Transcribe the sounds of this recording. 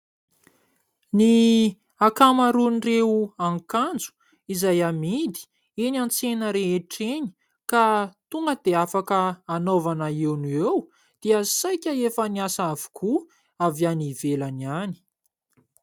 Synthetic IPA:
ni | akamaɾunireuaŋkand͡zu̥ | izajamid̪i̥ | enʲant͡senəɾeeʈ͡ʂeɲi̥ | kat̪uŋɡəd̪̥eafakəːnovanəewnuew | d̪̥iəsajkʲəefəniasavu̥kʰu | avianivelaniani̥

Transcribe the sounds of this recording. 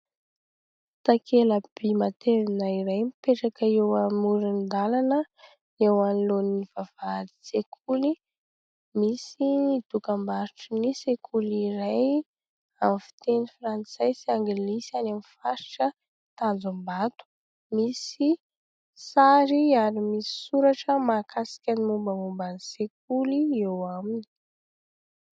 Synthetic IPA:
t̪akʰeləb̥imat̪ʰevinaiɾajmipeʈ͡ʂakəewamuɾind̪alanə | ewanloniniv̥av̥aɾi̥t͡sekʰuli | misid̪̥ukambaɾiʈ͡ʂunisekʰuliɾaj | amfi̥t̪enifrant͡sajsaŋɡilisanamifaɾiʈ͡ʂə | t̪and͡zumbat̪u̥ | misi | saɾiaɾimisi̥suɾaʈ͡ʂəmakasi̥kʲənimumbəmumbanisek̚uliewamini̥

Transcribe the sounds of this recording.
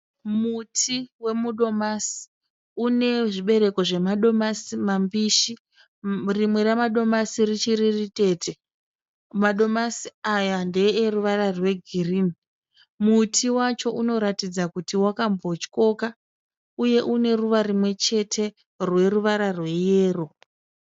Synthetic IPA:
mutʰiwe̞muɗo̞masi̥ | une̞ʐiɓe̞ɾe̞ko̞ʐe̞maɗo̞masimambiʃi | rimwe̞ɾemaɗo̞masirit͡ʃiririte̞ːtʰe̞ | maɗo̞masiajande̞ːruʋaɾarwe̞ɡʱiriːni | mutʰiwat͡ʃo̞ʔuno̞ɾatid͡zakutiwakambo̞t͡ʃi̥ko̞ka | uje̞ʔune̞ruʋarimwe̞t͡ʃe̞tʰe̞ | rwe̞ruʋaɾarwe̞jeːro̞

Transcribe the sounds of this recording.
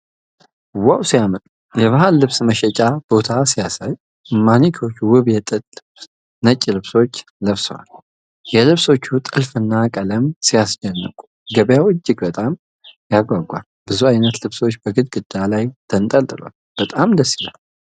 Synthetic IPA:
wawsijamət̪ʼu | jɛβahalːɨβsməʃɛt͡ʃʼab̥o̞t̪ʰasijasaj | manikʰo̞t͡ʃːwɨβjɛt̪ʼɨl | nət͡ʃʼːilɨβso̞t͡ʃː | ləβswa̰l | jɛlɨβso̞t͡ʃːut̪ʼɨlfɨnːakʼələmsijasd͡ʒɛnːə̰kʷʼu̥ | ɡəβjawɨt͡ʃːɪɡbət̪ʼam | jaɡʷaɡʷa̰l | bɨzuajnət̪lɨβso̞t͡ʃːbəɡɨd̪̚ɡɨd̪̥alajt̪ʰənt̪ʼəlt̪ʼɨlwa̰l | b̥ət̪ʼamd̪əsila̰l

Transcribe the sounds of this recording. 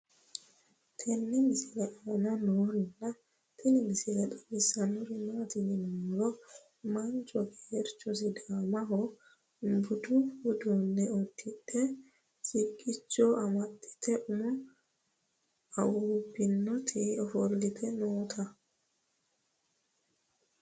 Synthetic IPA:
tʰenːimisilɛʔanɔnoɾinːa | tʰenimisilɛɗaɓisanuɾinatinimɔɾɔ | mant͡ʃɔɡɛɾt͡ʃɔsidamaɦɔ | mbuduhudɔnːɛot̪ʰːiɗɛ | sikʼːit͡ʃːɔamatːi̥t̪ʰɛʔumɔ | awubinːɔt̪ʰɛɔfoɾllit̪ʰɛnoːt̪ʰa

